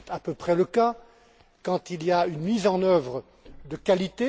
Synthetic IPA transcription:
t̪apøpχɛləka | kɑ̃t̪ilijaynmizɑ̃nœvʁə | d̪əkalit̪e

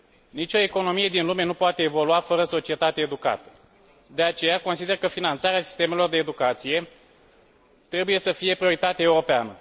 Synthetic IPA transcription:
nit͡ʃʲo̞eko̞no̞mije̞d̪inlume̞nupoat̪e̞ːvo̞luafəɾəso̞t͡ʃie̞t̪at̪eːd̪uka̰t̪ə̥ | d̪e̞at͡ʃe̞jako̞nsid̪e̞rkəfinant̪saɾeasi̥st̪e̞me̞lo̞rd̪eːd̪ukat̪sije̞ | t̪ɾe̞buje̞səfije̞pɾioɾit̪at̪eeuɾo̞peanə

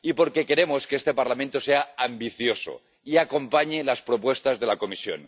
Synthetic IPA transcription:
ipo̞ɾke̞ke̞ɾe̞moskeest̪epaɾlamẽnt̪ose̞aambiθjo̞so̰ | iako̞mpaɲelaspɾopwe̞st̪azðe̞lako̞misjo̰n

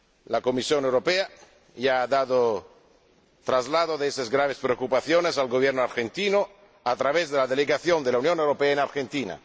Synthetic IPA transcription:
lakomisjonewɾopea | jaaðaðo | t̪ɾazlaðoðeesazɡɾaβ̞espɾeokupaθjonesalɡoβjeɾnoaɾxent̪ino | at̪ɾaβezðelaðeleɣaθjond̪elaunjonewɾopeaenaɾxent̪ina̰

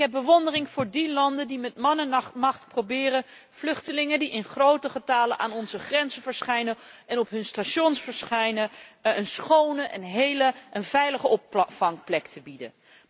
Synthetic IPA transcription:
ɪɦɛb̚bəʋɔndərɪŋv̥ʊːɹdilɑndəndimɛtmɑnənmɑχtprobɪːrən | v̥lɵχtəlɪŋəndiʔɪnχrowtəχətaːlənʔaːnɔnzəχrɛnzəvəɹsχɛjnəɛnɔpɦɵnstaʃɔnsfəɹsχɛjnəənsχownəʔɛ̰nɦejləʔənvɛjləχəʔɔpfɑŋplɛktʰəbidə̰

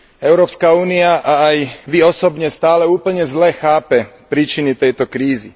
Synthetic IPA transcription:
ɛʊɾɔːpskauːniaʔaːjʋiɔsɔbɲɛst̪aːlɛuːpl̩ɲɛzlɛːxaːpɛpɾiːt͡ʃinit̪ɛjt̪ɔkɾiːzḭ

